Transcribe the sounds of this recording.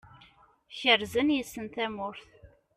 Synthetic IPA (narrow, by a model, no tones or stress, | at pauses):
çəɾzənjəsːənt̪æmʊɾθ